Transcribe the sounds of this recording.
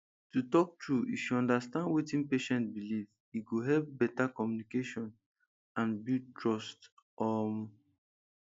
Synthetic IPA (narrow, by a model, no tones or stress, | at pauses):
tutɔk̚tʰɹuiʃuɔ̃ndastãndwitĩnpeʃɛ̃ntbiliv | iɡoɦɛlp̚bɛtakɔmjunikeʃɔ̃n | ãnbitɹɔst | ɔm